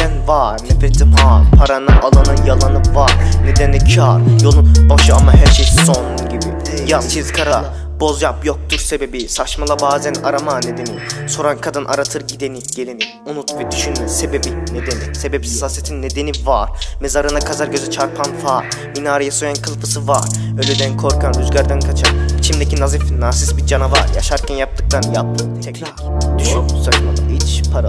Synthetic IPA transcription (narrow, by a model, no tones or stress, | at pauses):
ɛnvaɾnɛfɾet̪ʰimɦapʰaɾanɯʔalˠanɯnjalˠanɯvaɾned̪ɛnɛt͡ʃʰaɾjo̞lˠunbaʃɯamaɦæɾʃejson | ɟibi | jast͡ʃʰizkʰaɾa | b̥o̞zjapjok̚t̪ʰuɾsebe̞bisat͡ʃmalˠabaːzɛnaɾamaned̪eniso̞ɾankʰad̪ɯnʔa̰ɾat̪ʰɯɾɟid̪eniɟ̥elʲeni | unut̪vɛd̪yʃynmɛse̞be̞bine̞d̪enise̞bebi̥si̥sasijet̪ʰinːe̞d̪e̞nivaɾ̥mezaɾɯnakʰazaɾɟø̞zɛt͡ʃʰaɾpʰanfaːminaːɾajaso̞jankʰɯlˠpɯsɯvaɾølʲyd̪ænkʰo̞ɾkʰanyzɟaɾd̪ankʰat͡ʃʰanit͡ʃʰimd̪ecʰinazifnaːsisbid͡ʒanavaɾja̰ʃaɾcʰɛnjap̚t̪ɯk̚t̪ʰanjap̪̚ɯ | ɛa | d̪yʃynsat͡ʃmalˠa̰it͡ʃpʰaɾa